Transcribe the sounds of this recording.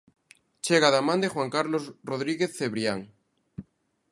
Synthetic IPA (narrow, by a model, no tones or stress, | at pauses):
t͡ʃeɣaðamãnd̪exwaŋkaɾlozroðɾiɣeθːeβɾjaŋ